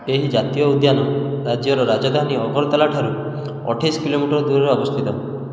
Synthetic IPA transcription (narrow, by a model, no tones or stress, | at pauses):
eɦid͡ʒat̪ijɔud̪janɔɾad͡ʒjɔɾɔɾad͡ʒɔd̪ʱaniɔɡɔɾɔt̪alaʈʰaɾu | ɔ̰ʈʰisɔkilomiʈɔɾɔd̪uɾɔɾɔbɔst̪ʰit̪ɔ